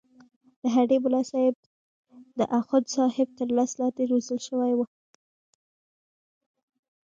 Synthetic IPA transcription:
d̪̥əɦaɖebʊlɑsɑɪb̚ | d̪əʔaxʊd̪sɑhɪb̚t̪əɾlaslɑt̪eɾozəlʃəwajwu

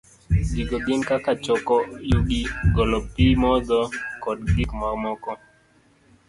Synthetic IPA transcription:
d͡ʒiɡɔɡɪnkakat͡ʃɔkɔjuɡiɡɔlɔpimɔd̪ɔkɔdɡɪkmaɾmɔkɔ

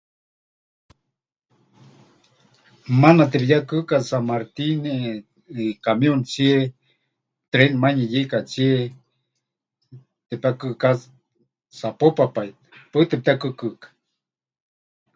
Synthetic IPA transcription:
manat̪̬epijakɨkasamaɾt̪ine | ikamjont͡sie | t̪ɾenmaɲejekat͡sie | t̪epakɨka | sapopapajt̪pət̪ep̚t̪akɨkəkḁ

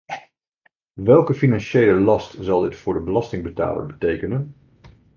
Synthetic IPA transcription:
ʋɛlˠkəfinɑnʃejləlɑstzɑlˠdɪtfʊːɹdəbəlɑstɪŋbəta̰ːlə̰ɹbətejkənən

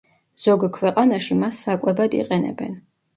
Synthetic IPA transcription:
z̥ɔɡkʰwɛqʼanaʃimasːakʼɛbad̪ḭqʼɛnɛ̰bɛ̰n

